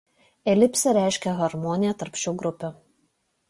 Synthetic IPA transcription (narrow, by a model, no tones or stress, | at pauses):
ɛlʲɪpʲsʲɛɾʲæˑɪʃʲkʲɛɣɐɾmɔːnʲɪjɛt̪ɐɾpʲʃʲɛʊɡɾʊpʲʊ